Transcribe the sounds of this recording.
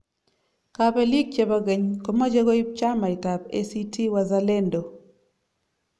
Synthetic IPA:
ka˨pe˦li˦ɡ̚t͡ʃe˦ba˦ɡe˨ɲko˦ma˦d͡ʒe˦ɡo˦i˦p̚t͡ʃa˦ma˨ɪ˨ta˨pḛ˦si˦tʰi˦wa˦za˦le˦ndo˨

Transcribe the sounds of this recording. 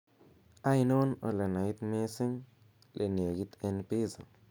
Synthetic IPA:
a˦jno˦no̰˨le˨na˨i˦t̪me˦si˦ŋ | lʔe˨n˨e˨ɡi˦t̪e˦˧npi˦za˨

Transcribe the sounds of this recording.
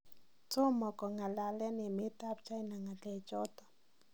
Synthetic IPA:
to˦mɔ˨kɔ˨ŋa˨la˨lɛ˦nɪ˨mɪ˦ta˦pt͡ʃa˦i˦na˨ŋa˨tɛ˨t͡ʃɔ˦tɔ˨

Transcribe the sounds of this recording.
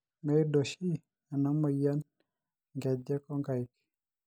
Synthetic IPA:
mɛ˨˦do˨ʃi˦ | a˨nɔ˦mɔ˨ja˦n | ŋɡɛ˨d͡ʒɛ˦kɔ˦ŋɡa˨i˨k

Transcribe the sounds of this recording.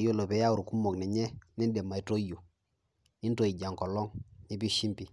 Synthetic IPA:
jo˦˨lo˨pe˨ja˦u˨ɾu˨ku˦mo˨knɛ˨ɲɛ˦ni˦nde˨mːa˨i˨to˦jo˨ | i˦nto˨i˨ɟa˨ŋko˨lɔ˦ŋɲe˨bi˦ʃi˦mpi˨

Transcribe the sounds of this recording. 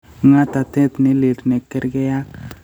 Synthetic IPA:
ŋa˦t̪a˨t̪ɛ˦t̪ni˦li˨ɾne˨kːɛ˦ɾɡɛ˦ja˦k

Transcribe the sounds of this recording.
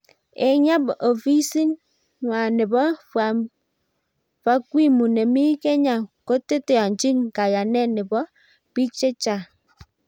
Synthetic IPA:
e˨ɲa˦bɔ˨vi˦si˦ŋ | ŋwa˨nɪ˨bɔ˦a˨ | va˦kwi˦mu˨nɛ˨mi˦kɛ˦ɲa˨ko˦te˦te˨a˨ɲt͡ʃi˦ŋka˨ja˨nɛ˦nɪ˨bɔ˦ | pi˦t͡ʃe˦t͡ʃa˨

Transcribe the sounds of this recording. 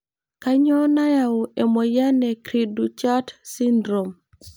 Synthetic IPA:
ka˦ɲɔ˦na˦ja˨ʊ˨e˨mɔ˨ja˦nɛ˨kɾi˨du˨t͡ʃa˦tsi˦ndɾo˨m

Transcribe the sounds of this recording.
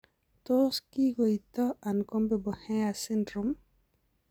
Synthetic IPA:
to˦ski˦ɡo˨i˨tɔ˦a˨nko˦mbɛ˨bɔ˨hɛa˨si˦ndɾum

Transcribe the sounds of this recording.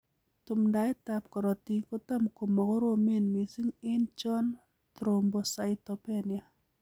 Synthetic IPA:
tʊ˨mnda˨ɪ˦ta˨p̚kɔ˨ɾɔ˨ti˨ko˦ta˦mko˨ma˨kɔ˦ɾo˦me˦nmi˨si˦ŋɪ˦nt͡ʃɔ˦n | t̪ɾo˨mbo˨sa˨ɪtɔ˨pe˦nia˨

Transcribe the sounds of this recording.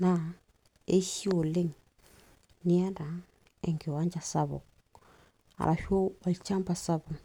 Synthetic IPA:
na˦˨ | e˦ʃi˦o˨le˦ŋ | ni˦a˦ɾa˨ | ɛ˨ŋɡe˨wa˦ɲd͡ʒa˨sa˦βɔ̰˨ | a̰˨ɾʔa˨ʃo˦ɔ˨lt͡ʃa˦mba˨sa˦bɔ˨

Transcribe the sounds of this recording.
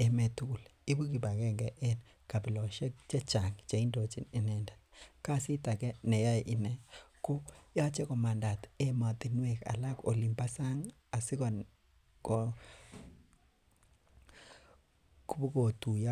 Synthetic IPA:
e˨mɛ˨tu˦˨l | i˦bu˦ki˨ba˨kɛ˦ŋɡɛ˨ʔɛ˦n | ka˨pi˨lɔ˨ʃɛ˦k̚t͡ʃe˦t͡ʃa˨ŋt͡ʃe˨i˦ndo˨t͡ʃi˨ne˨nɛ˨nda˨t̚ka˦˨si˦ta˨kɛ˦nɛ˨ja˦˨ʔi˦nɛ˨ko˦ja˦t͡ʃɛ˦kɔ˨ma˨nda˨te˦ma˨t̪i˨nwe˨ka̰˨la˦ko̰˨li˨mpa˦sa˦ŋ | a˨si˦kɔ˨n | kɔ˨ | ku˦bu˦ko˨tu˨ja˦

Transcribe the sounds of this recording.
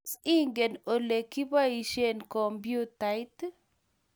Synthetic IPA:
si˦ŋɡe˨no˨le˨ki˦ba˦i˨ʃe˦˨nkɔ˨mbju˦ta˨jt

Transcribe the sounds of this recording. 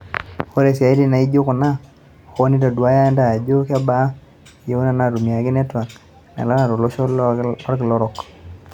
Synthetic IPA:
o˦ɾe˨s̬ja˨i˦di˦na˨i˦d͡ʒo˦kʊ˨na˦˨ | kɔ˦nɪ˦da˨du˨a˦ja˦nda˨a˨d͡ʒo˦ka˦ba˨˦ | je˨˦u˦na˨na˨ɾu˨mi˨a˨kɪ˦nɛ˦twa˨n | na̰˨la˦na˨ɾɔ˨lɔ˦ʃɔ˦ɔ˦ɾkɪ˨lɔ˦ɾɔ˨k

